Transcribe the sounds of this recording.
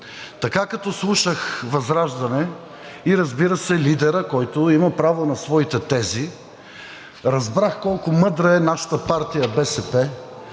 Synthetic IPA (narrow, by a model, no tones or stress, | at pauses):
t̪ɐkakɐt̪ɔslˠuʃəxvɐzɾaʒd̪ɐnɛ | iɾɐzbiɾəsɛlid̪ɛɾəkɔjt̪ʊimɐpɾavonɐsvɔit̪ɛt̪ɛzi | ɾɐzbɾaxkɔlˠkʊmɤd̪ɾəɛnaʃɐ̥t̪əpaɾt̪ijəbɛsɛpɛ